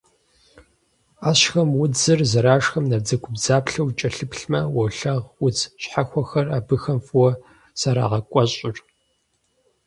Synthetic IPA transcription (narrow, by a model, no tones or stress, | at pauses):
aːɕxɐmwʊd͡zɨrzɐɾaːʂxɐmnɐb̚d͡zɐkʷʰʊbzaːpɬɐwt͡ʃʼɐɬɨpɬmɐwɐɬɐʁʊt͡sʰɕħaxʷɔxɐraːbɨxɐmfʼwɔ | saɾa̰ːʁɐkʷʼɔɕʼɪrʼ